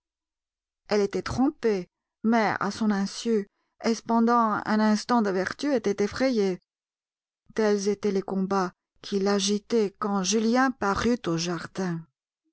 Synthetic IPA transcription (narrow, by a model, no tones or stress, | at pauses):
ɛlet̪ɛt̪χɔ̃pe | mɛa̰sɔ̃nɛ̃sy | ɛspɑ̃d̪ɑ̃ɛ̰̃nɛ̃st̪ɑ̃d̪əvɛʁt̪yet̪ɛt̪efχeje | t̪ɛlzet̪ɛlekɔ̃ba | kʲʰilaʒit̪ɛkɑ̃ʒyljɛ̃paʁyt̪oʒaʁd̪ɛ̃